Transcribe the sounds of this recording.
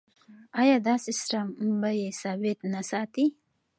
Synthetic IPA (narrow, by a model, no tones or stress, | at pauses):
ajɑːd̪ɑːsesɾambajesawet̪nasɑːt̪i